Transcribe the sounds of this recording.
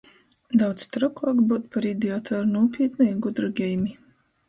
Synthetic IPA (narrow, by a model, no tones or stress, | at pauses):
d̪awt̪st̪ɾɔkaːkbut̪paɾid̪ʲiat̪ʰɔɾunuɔpʰʲiɛt̪nujaɡud̪ɾɔɡʲɛjmi